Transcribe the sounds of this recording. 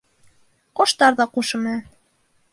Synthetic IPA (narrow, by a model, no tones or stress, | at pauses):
qoʃt̪ɑɾðɑquʃɤ̆mɤ